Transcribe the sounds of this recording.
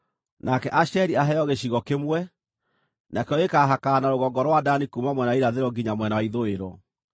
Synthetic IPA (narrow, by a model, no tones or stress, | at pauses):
nakɛʔaɕɛɾiaɦɛjɔɣeɕiɣɔkemwɛ | nʔakeɔekaɦakaːnaɾoɣɔŋɡɔɾwadanikumamwɛnaiɾaðeɾɔɡiɲamwɛnawaiðoeɾɔ̰